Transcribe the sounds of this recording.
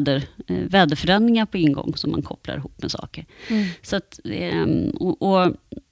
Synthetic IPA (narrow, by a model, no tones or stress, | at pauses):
d̪əɾvɛːd̪əfœɾɛnd̪ɾɪŋaɾpʰɔɪŋɡɔ̰ŋːsɔmːa̰nkʰɔpla̰ɾɪɦuːpːmɛsɑ̰ːkəɾsat̪ɛɔʔɔ